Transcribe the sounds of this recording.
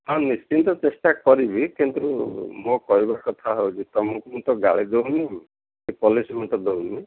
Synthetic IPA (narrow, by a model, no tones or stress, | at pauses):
ɦãnist͡ʃint̪ɔt͡ʃesʈakɔɾibikint̪umokɔɦibakɔt̪ʰaɦowd͡ʒit̪ɔmukumut̪ɔɡa̰ɭid̪oɦuni | ipɔlisimɔt̪ɔd̪oɦuni